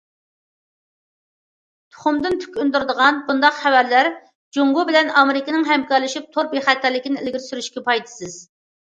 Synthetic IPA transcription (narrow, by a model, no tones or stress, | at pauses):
t̪ʰʊ̥χʊmd̪ɨnt̪ʰy̥kʲʰynd̪uɾd̪əʁɑnbund̪ɑqχɛwæɾlæɾ | d͡ʒoŋɡubɪlɛnɑmɪɾɪkʲənɨŋɦɛmkɑɾlɪʃip̚t̪ʰoɾbeχæt̪ːæɾlɪkʲinɪelɡʲiɾsyɾyʃkʲɛpʰɑjt̪ʰɨ̥sɨz̥